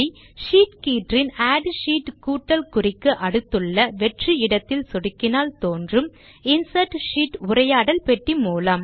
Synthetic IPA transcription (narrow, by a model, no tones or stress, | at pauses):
ʂiːʈkiːʈrɪnaːɖʂiːʈkuːʈːɐlkʊrɪkːɯʔɐɽɯt̪ːɯɭːɐʋɛʈriɪɽɐt̪ːɪlsɔɽɯkːɪnaːlt̪oːndrɯm | ɪnsɐʈʂiːʈʊrɐjaːɽɐlpɛʈrimuːlɐm